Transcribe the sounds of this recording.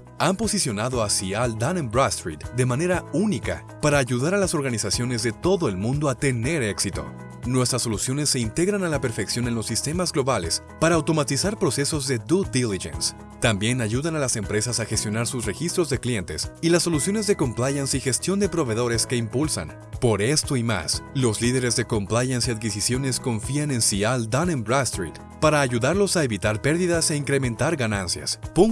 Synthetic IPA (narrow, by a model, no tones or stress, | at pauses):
ampo̞sisjo̞naðo̞asiald̪anembɾast̪ɾit̪d̪e̞mane̞ɾaunika̰ | paɾaːʝuðaɾalaso̞ɾɣanisasjo̞nezðe̞t̪o̞ðo̞e̞lmũnd̪o̞at̪e̞ne̞ɾe̞ksit̪o̞̰ | nwe̞st̪ɾaso̞lusjo̞nesːe̞int̪e̞ɣɾanalape̞ɾfe̞ksjo̞ne̞nlosːist̪e̞mazɣlo̞βale̞s | paɾaːwt̪o̞mat̪isaɾpɾo̞se̞so̞zðe̞d̪ud̪iliʝḛns | t̪ambje̞naʝuðanalase̞mpɾe̞sasaxest̪jo̞naɾsusre̞xist̪ɾo̞zðe̞klje̞nt̪e̞̰silasːo̞lusjo̞ne̞zðe̞ko̞mplajansixe̞st̪jo̞nd̪e̞pɾo̞βe̞ðo̞ɾe̞ske̞impulsa̰n | po̞ɾe̞st̪o̞ima̰slo̞sliðe̞ɾe̞zðe̞ko̞mplajansiaðkisisjo̞ne̞sko̞ɱfianensiald̪anembɾast̪ɾit̪ | paɾaːʝuðaɾlo̞saeβit̪aɾpe̞ɾðiðase̞iŋkɾe̞mẽ̞nt̪aɾɣanansja̰spoŋ